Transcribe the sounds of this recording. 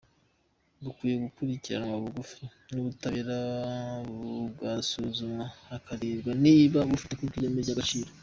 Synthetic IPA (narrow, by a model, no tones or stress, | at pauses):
dukwiːjeɡukuɾiciɾa̰nwaβuɡufinuβutaβeɾa | βɡasuzumaakaɾeːbɡaniːβaβufi̥tekukiɾemeɟaɡat͡ʃiːɾo